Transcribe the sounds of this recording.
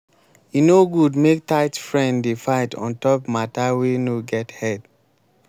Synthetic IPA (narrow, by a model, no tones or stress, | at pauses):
jinoɡudmek̚taɪtfɹɛ̃nddefaɪtʰɔ̰̃ntɔpmatawenoɡɛthɛd̥